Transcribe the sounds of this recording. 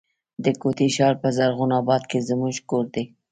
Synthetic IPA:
d̪əkot̪eʃɑɾpəzaɾɣʊnɑbɑd̪̚kezəmuʒkoɾd̪e

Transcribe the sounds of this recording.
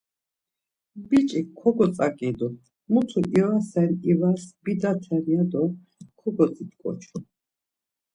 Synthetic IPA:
bit͡ʃʼikʰɔɡɔt͡sʼakʼid̪ɔ | mut̪ʰuʔiwasɛɾivasb̥id̪at̪ʰɛɾiad̪ɔ | kʰɔɡɔt͡sʼit̪kʼɔ̰t͡ʃʰu

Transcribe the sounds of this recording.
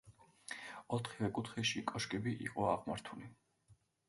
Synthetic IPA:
ɔt̪ʰχivɛkʼut̪ʰχɛʃikʼɔʃkʼɛbiʔḭqʼɔaʁmaɾt̪ʰuli

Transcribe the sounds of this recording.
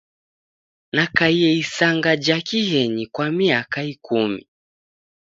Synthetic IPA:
nakaiɛisaŋɡad͡ʒakihɛɲikwamiakaikumḭ

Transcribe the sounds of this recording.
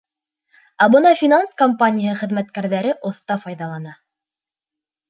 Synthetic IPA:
æbɤnɑfʲinanskompanʲijhɤχɘ̆ðmæt̪kæɾðæɾɘʔŏθt̪ɑfɑjðɑlˠɑnɑ

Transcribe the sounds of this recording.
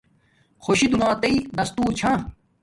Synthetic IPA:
xʰoɕid̪unaːt̪ɐid̪ɐst̪uːɾt͡ɕʰã

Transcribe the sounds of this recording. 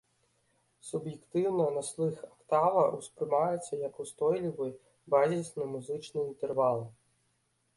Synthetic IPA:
subjɛkt̪ɪwnɐnɐslˠɪxɐkt̪ɑʋɐuspɾɪmajet͡sʲːɐjɐkʊst̪ɔjlʲiʋɨj | bazʲisʲnɐmʊzɪt͡ʃnɪint̪erʋɑlˠ

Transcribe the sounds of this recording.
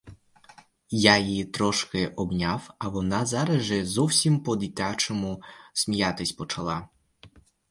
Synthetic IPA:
jajit̪ɾɔʃkɪʔɔbnʲawɐʋɔnɑzɑɾɐʒɛzɔwsʲimpɔd̪ʲit̪ʲat͡ʃɔmʊsʲmʲijat̪ɪsʲpɔt͡ʃɐlˠɑ

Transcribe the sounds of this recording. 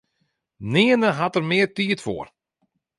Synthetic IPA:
nɪənəɦatərmɪərtiːətfo̰ːr

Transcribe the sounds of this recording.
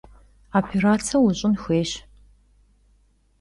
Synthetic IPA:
apʰeɾaːt͡sʰɐwʊɕʼɪnxʷeːɕ

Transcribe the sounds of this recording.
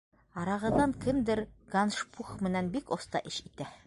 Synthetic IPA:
ɑɾɑʁɤ̆ðːɑŋkɘmd̪ɘɾɡanʃpʰuχmɘ̆nænbikost̪ɑ̰ʔɘʃit̪æ

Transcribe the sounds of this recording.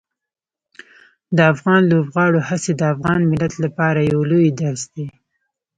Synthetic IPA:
d̪əafɣɑnlobɣɑɽohased̪əafɣɑnmɪlat̪lapɑɾajawlojd̪aɾsd̪e

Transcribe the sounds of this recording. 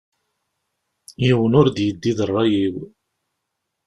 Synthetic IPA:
jiwənʊɾd̪jəd̪ːiðərˤːɑjiw

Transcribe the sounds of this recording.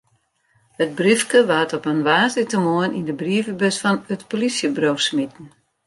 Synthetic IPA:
hət̚brifkəʋatɔpənʋaːzitəmoənindəbriəvəbøsfɔnətpolisjəbrowsmitn̩

